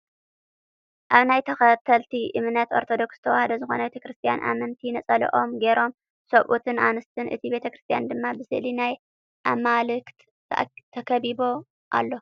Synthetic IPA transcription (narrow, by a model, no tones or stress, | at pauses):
ʔaβnajt̪ʰɐxɐt̪ʰɐlt̪ʰiʔɨmnɐt̪o̞ɾt̪ʰod̪o̞ksɨ̥t̪ʰɐwahɐd̪ɐzɨxo̞̰nɐbet̪ɐkɾɨst̪ʰija̰nʔa̰mɐnt̪ʰinɐt͡sʼɐlḭʔo̞mɡe̞ɾo̞m | sɐβʔut̪ʰɨnʔanɨst̪ʰɨnʔɨ̰t̪ʰibe̞t̪ʰɐkɾɨst̪ʰijand̪ɨmːabɨsɨʔlinaj | ʔamalɨkt̪ | t̪ʰɐkʰɐβibo̞ | ʔa̰lːo̞